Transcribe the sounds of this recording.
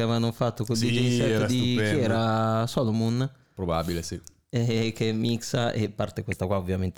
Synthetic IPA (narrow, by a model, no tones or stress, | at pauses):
avanːofat̪ːokod̪id͡ʒɛnsɛtːd̪ifjɛːɾasɔlomun | pɾobabilesi | ekːemːiksaʔepːart̪ekwest̪akwaovjament̪e